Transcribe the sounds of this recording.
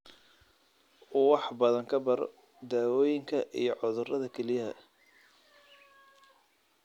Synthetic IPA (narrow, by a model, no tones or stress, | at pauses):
wɑħbɐðɐŋkʰɐbɐɾɔ̰ | d̪aːwɔːjɪŋkʰɐʔḭjɔʕʊðʊrɐðɐkʰɛlɪjɐɦɐ̰